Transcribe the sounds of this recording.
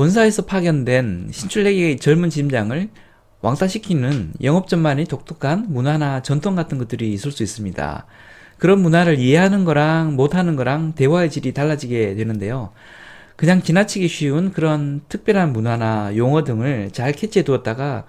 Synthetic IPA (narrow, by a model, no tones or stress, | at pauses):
wʌns̬ʰaesʰʌpʰaɡjʌndwe̞nɕʰint͡ɕʰuɭɦe̞ɡt͡ɕʌɭmunt͡ɕimd͡ʑaŋɯɭ | wʔa̰ŋsʰaɕʰikʰinɯnjʌŋʌp̚t͡ɕ͈ʌmmaɲitok̚t͈ʰokʰanmunanat͡ɕʌntʰoŋɡatʰɯnɡʌt͈̚ɯɾiːsʰɯɭs͈uis͈ɯmɲida̰ | kɯɾʌnmunaɾɯɭieɦanɯnɡʌɾaŋmotʰanɯnɡʌɾaŋte̞waet͡ɕiɾitaɭːad͡ʑiɡe̞twe̞nɯnde̞jo | kɯɲaŋt͡ɕinat͡ɕʰiɡiɕʰɥiunkɯɾʌntʰɯk̚pjʌɾɦanmunanajoŋʌdɯŋɯɭt͡ɕaɭkʰe̞t͡ɕʰetuʌt̚t͈aɡa